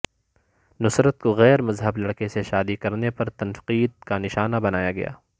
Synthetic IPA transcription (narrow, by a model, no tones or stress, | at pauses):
nʊsɾət̪̚koɣɛːɾmɐzɦəblɐɽkeseʃaːd̪ikɐɾnepɐɾt̪ɐnfqiːd̪̚kanɪʃaːnabɐnaːjaɡɐ̰ja̰ː